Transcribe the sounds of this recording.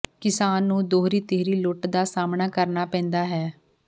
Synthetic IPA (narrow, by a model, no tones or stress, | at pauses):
kɪsaːnːũːd̪oːɾiːt̪eːɾiːlʊʈd̪aːsaːmnaːkəɾnaːpɛ̃ːnd̪aːɦɛː